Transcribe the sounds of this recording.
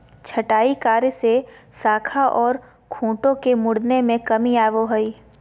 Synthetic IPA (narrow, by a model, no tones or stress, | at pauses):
t͡ʃʰɐʈaːikaːɾsesaːkʰaʔɔːɾ | kʰũːʈõkemʊɽnemẽkɐmiaːʋoɦəiː